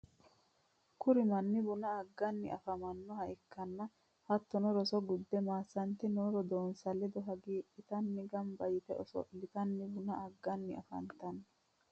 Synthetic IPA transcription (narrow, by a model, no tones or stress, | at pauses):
kʊɾɪmɐnːɪbʊnɐɐɡːɐnːɪ̰ʔɐfɐmɐnːɔhɐʔɪkːɐnːɐ | hɐt̪ːɔnɔɾɔsɔɡʊd̪ːɛmaːsːɐnt̪ɪnɔːɾɔd̪oːnsɐlɛd̪ɔɦɐɡiːʔɪt̪ɐnːɪɡɐmbɐjɪt̪ɛʔɔsɔ̰ʔlːɪt̪ɐnːɪbʊnɐɐɡːɐnːɪɐ̰fɐ̰nt̪ɐnː